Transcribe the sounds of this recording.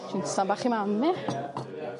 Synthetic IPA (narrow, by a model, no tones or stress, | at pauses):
insabaχimamːɛ